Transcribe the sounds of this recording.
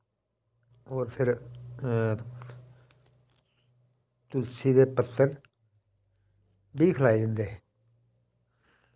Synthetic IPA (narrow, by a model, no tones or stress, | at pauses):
oːɾpʰɪɾ | t̪ʊlsiːd̪eːpət̪ːəɾ | biːkʰəlaːiʊnd̪eː